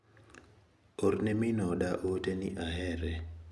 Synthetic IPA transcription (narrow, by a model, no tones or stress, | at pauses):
ornɛmɪnɔdaʔotenɪʔaɦɛɾɛ